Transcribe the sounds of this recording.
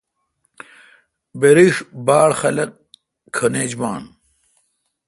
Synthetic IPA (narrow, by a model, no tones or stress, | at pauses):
beɾiʂbaːɽxɐlɐk̚ | kʰɐneːd͡ʑmaːn